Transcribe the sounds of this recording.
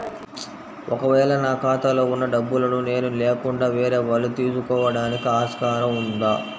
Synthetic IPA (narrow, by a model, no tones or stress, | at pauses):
ʔɔkɐʋɛːlɐnaːkaːt̪ɐlo̞ːunːɐɖɐbːulɐnune̞ːnuleːkuɳɖaːʋeːɾeːʋɐlːut̪iːɾsukɔːʋɐɽaːnikiaːʃkaːɾɐmund̪aː